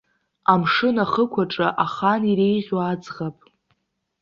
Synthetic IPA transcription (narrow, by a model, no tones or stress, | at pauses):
amʂɨnaχəkʷʰaʈ͡ʂʼaʔaχaniɾejʁʲwaːd͡zʁapʼ